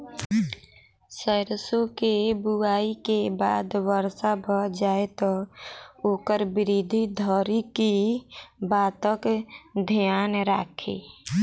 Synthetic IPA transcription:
səɪɾsokebuaikebad̪ʋəɾsabʱɔd͡ʒaet̪ɔ | oːkəɾbiɾid̪ʱid̪ʱɔɾiki | bat̪əkd̪ʱijanɾakʰḛ

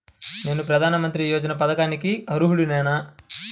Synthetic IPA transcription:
ne̞ːnupɾɐd̪ʱaːnɐmɐnt̪ɾijoːd͡ʒɐnɐp̬ɐd̪ɐkaːnikiɐɾuɦuɽunɛːnɐ

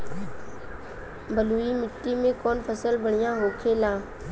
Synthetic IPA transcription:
bəluːimɪʈːimẽkɔːnpʰəsəlbəɽ̃ɪjãɦoːkʰeːlãː

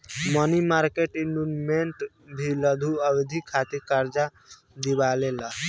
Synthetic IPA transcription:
mənimaɾkeʈiɳɖunmeɳʈ | bʱiləd̪ʱuəbed̪ʱikʰːat̪iɾkaɾd͡ʒa | d̪ibalela

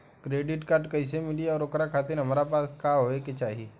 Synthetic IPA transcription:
kɾeːɖɪʈkaːɾʈkɐɪs̬emɪliɔːɾokɾakʰaːt̪ɪnɦɐmɾapaːskaːɦoeket͡ʃaːɦie

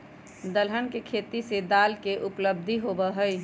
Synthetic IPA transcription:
d̪əlɦənkekʰet̪ised̪alkeʔupləb̚d̪ʱiɦobəɦəj

